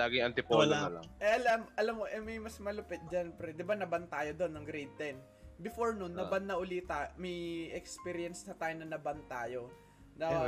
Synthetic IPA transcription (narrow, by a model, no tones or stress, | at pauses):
laːɡɪŋɐnt̪ɪpoːlɐa̰ŋʔɛʔɐlamʔɐlamːoʔɛmɐjmɐsmɐlʊpɛt̪̚d͡ʒanpɾɛd̪ɪbanɐbɐnt̪aːjod̪o̞nːɐŋɡɾejd̪̚t̪ɛn | bɪfoɹnʊnːɐbanːɐʔʊlit̪ɐmɐjɛkspiɾɪɐnsnɐt̪aːjonɐnɐbant̪aːjo | d̪a